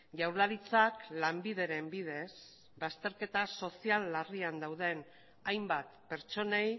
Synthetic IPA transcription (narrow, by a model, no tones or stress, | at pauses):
ʝawɾlaɾit͡saklambiðe̞ɾe̞mbið̞e̞s | bast̪e̞ɾke̞t̪aso̞sialːariand̪awð̞e̞n | ajmbat̪pe̞ɾt͡ʃo̞ne̞j